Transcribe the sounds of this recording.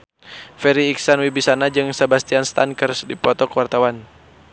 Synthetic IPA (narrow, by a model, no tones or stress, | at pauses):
fɛɾiːksanwibisanad͡ʒɨŋsabast̪ianst̪ankərsdipɔt̪ɔkwart̪awan